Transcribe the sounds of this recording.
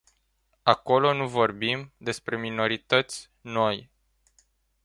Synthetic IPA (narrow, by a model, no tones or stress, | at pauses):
ako̞lo̞nuvo̞rbimd̪e̞spɾe̞mino̞ɾit̪ət̪sʲ | no̞j